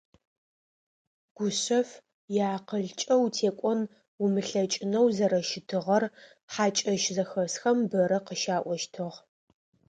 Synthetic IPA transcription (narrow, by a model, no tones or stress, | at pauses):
ɡ̥ʷʊɕɐf | jaːqəɮt͡ʃʼɐwtʰeːkʷʼɔn | ʊmɨɬɐt͡ʃʼɪnɐwzɐɾɐʃɪtʰɨʁɐr | ħaːt͡ʃʼɐʃzɐxɐsxɐmbɐɾɐqəʃaːʔʷɔʃtʰɨʁ